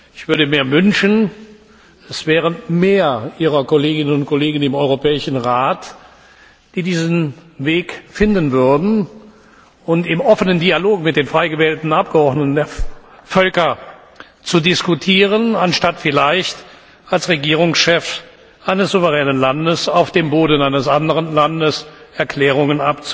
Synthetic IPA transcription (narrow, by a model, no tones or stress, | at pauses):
ʔɪçv̥ʏɐɾəmeːɐvʏnʃn | ɛsv̥ɛːʁ̞əmeːɐʔiːʁɐkoleːɡɪnənʊntkoleːɡn̩ɪmɔʏʁopɛːɪʃn̩ʁaːt | d̥iːdiːznveːkfɪndənvʏɐdn̩ | ʊntɪmɔfənəndialoːkmɪt̚d̥eːnfʁ̥aɪɡəvɛːltn̩ap̚ɡ̥əɔʁdnətn̩deːɐfœlkɐ | t͡sudɪskutʰiːʁ̞ənanʃtatfɪlaɪçt | alsʁeɡiːʁ̞ʊŋsʃɛf | ʔaɪnəsz̥uvəʁɛːnənlandəsaʊfd̥eːmboːdn̩ʔaɪnəsʔandəʁənlandəsɛɐkl̥ɛːʁ̞ʊŋənʔap̚t͡s